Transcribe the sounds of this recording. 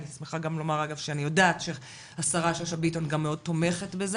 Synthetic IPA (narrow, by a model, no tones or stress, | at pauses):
lismeχaɡamlo̞maʁaɡavʃeanijo̞daːtʃeχ | hasaʁaʃoʃabito̞nɡamːeo̞d̚t̪o̞me̞χe̞tbez